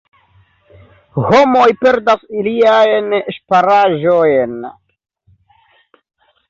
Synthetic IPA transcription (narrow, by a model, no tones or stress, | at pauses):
ho̞mojpe̞ɾdasiliajnʃpaɾaʒo̞jn